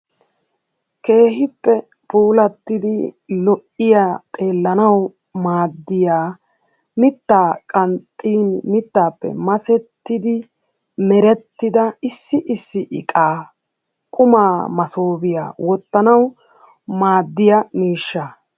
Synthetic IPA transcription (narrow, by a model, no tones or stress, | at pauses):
ke̞ːɦɪpːɛ | puːlɐt̪ːɪd̪ɪlɔʔɪjat̪ʼe̞ːlːɐnɐw | maːd̪ːɪjaː | mɪt̪ːaːkʼɐnt̪ʼːiːnmɪt̪ːaːpːɛ̰mɐsɛt̪ːɪd̪ɪ | mɛɾɛt̪ːɪd̪ɐɪsːɪʔɪsːɪʔɪkʼaː | kʼʊmaːmɐsoːbɪja̰ːwɔt̪ːɐnɐw | maːd̪ːɪjɐmiːʃːa